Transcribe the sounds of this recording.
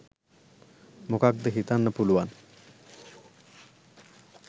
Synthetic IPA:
mokak̚d̪əɦit̪anːəpuluwan

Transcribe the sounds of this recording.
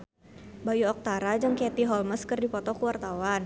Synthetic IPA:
bajuɔk̚t̪aɾad͡ʒɨŋkɛt̪iɦɔlməskɨrdipɔt̪ɔkuwart̪awan

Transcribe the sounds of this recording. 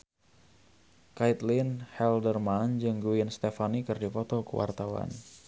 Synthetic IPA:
kait̪linhɛldərmand͡ʒɨŋɡuinst̪efanikɨrdipɔt̪ɔkə̰wa̰rt̪awa̰n

